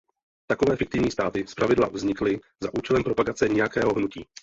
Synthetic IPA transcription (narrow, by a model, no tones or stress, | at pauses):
t̪akovɛːfɪkt̪ɪvɲiːst̪aːt̪ɪspɾavɪdla̰vzɲɪklɪ | zaʔuːt͡ʃɛlɛmpɾo̞paɡat͡sɛɲɛjakɛːɦoɦnuciː